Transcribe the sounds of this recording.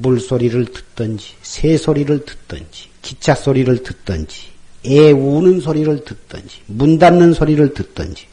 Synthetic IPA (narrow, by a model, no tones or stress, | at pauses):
muɭs͈oɾiɾɯɭtɯ̥t͈ʌnd͡ʑi̥sʰesʰoɾiɾɯɭtɯ̥t̚t͈ʌnd͡ʑi̥kit͡ɕʰas͈oɾiɾɯɭtɯt̚t͈ʌnd͡ʑi̥eunɯnsʰoɾiɾɯɭtɯt̚t͈ʌ̰nd͡ʑi̥mundanːɯnsʰoɾiɾɯɭtɯt̚t͈ʌ̰nd͡ʑi̥